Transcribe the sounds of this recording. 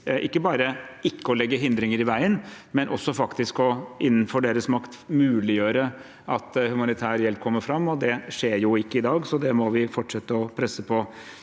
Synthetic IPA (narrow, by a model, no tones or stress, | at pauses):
ʔɪkːəbɑːɾəɪkːəɔlɛɡːəɦɪnd̪ɾɪŋəɾɪʋæɪən | mɛnʔɔ̰sːɔfɑkt̪ɪskɔʔɪnːənfɔɖeːɾəsmɑkt̪mʉːlɪjøːɾə | ʔɑt̪hʉmɑnɪt̪ʰæːɾjɛlp̚kʰɔmːəɾfɾɑmːɔd̪ɛʂeːɾjʊɪkːəɪd̪ɑːɡsɔd̪ɛmɔʋɪfɔʈʂɛt̪ːəɔpʰɾɛsəpʰɔ